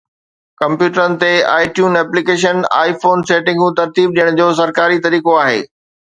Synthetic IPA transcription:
kɐ̃mpjuːʈəɾənɪ̆t̪ea̰ːɪʈjuːnɛːplikeːʃ̬əna̰ːifoːnseːʈɪ̃ŋɡũt̪ɐɾt̪iːb̚ɗijəɽ̃d͡ʑoːs̬ɐɾkaːɾit̪ɐɾiːkoaːɦḛː

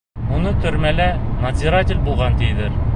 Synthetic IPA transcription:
munɤt̪ɵ̆ɾmælænɐzʲiɾat̪ʲɪlʲbulˠʁɑnt̪ijd̪ɘɾ

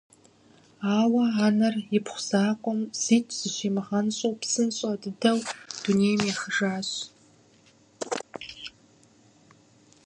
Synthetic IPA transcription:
aːwɐaːnɐrjɪpχʷʊz̥aːqʷʼɔmz̥iːt͡ʃʰʼz̥ɨʃeːmɨʁɐnɕʼowpsɨnɕʼɐdɨdɐwd̥uneːjmjaːxəʒaːɕ

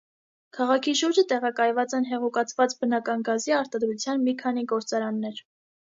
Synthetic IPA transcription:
kʰɑʁɑkʰiʃuɾd͡ʒət̪ɛʁɑkɑjvɑt͡sɛnɦɛʁukɑt͡sʰvɑt͡sbənɑkɑnɡɑziɑɾt̪ɑd̪ɾut͡sʰjɑnmikʰɑn̪iɡɔɾt͡sɑɾɑnːɛɾ

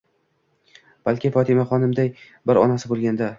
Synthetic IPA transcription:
b̥alkʲʰɪfɒt̪ʰɪmaχɒnɪmd̪aj | bɪɾɒ̰nasɪbolˠɡʲand̪a

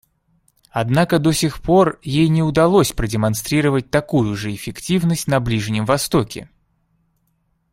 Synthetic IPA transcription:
ɐd̪nakəd̪o̞sʲɪxpo̞rjejnʲɪʊd̪ɐlˠo̞sʲpɾədʲɪmɐnst̪ɾʲiɾəvət̚ʲt̪ɐkujʊʐɨɪfʲɪktʲivnəsʲtʲnɐblʲiʐnʲɪmvɐst̪o̞kʲɪ̰

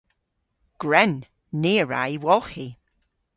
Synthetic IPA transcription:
ɡ̥ɹɛnː | iːəɹa̰jwɔlˠxi

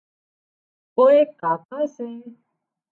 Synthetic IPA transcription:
koːekaːkasẽ

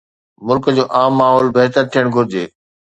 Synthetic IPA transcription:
mʊlkəd͡ʑoːʔaːmːaːɦɔːlbeɦt̪əɾt̪ʰijəɽ̃ɡʱʊɾɪd͡ʑeː

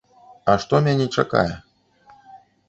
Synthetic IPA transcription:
ɐʂt̪ɔmʲanʲɛt͡ʂaka̰jɛ

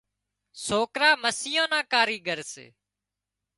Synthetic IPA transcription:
soːkɾaːməsɪjõːnãːkaːɾiːɡʱəɾsḛː

